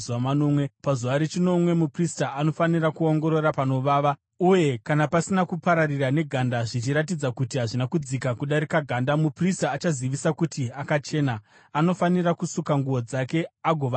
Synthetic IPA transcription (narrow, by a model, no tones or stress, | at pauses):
uamano̞ːmwe̞pazuʋaɾet͡ʃino̞mwe̞mupristaʔːno̞fanirakuo̞ŋɡo̞ɾo̞ɾapano̞ʋaːʋa | uje̞kanapasinakupaɾarirane̞ɡʱandaʐit͡ʃiɾat̬id͡zakutiɦaʐinakud͡zikakuɗaɾikaɡʱandamupristaːt͡ʃaziʋisakutiakat͡ʃe̞ːna | ano̞faniɾakusukaŋɡuʋo̞d͡zake̞aɡʱo̞ʋa